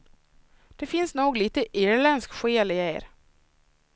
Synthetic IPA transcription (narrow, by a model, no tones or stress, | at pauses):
d̪̥ɛfɪnsnuːɡliːt̪əʔeːɾlɛnskɧeːlɪeːɾ